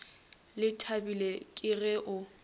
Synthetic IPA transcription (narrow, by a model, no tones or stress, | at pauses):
lɪtʰabilekʼɪrɛʔʊ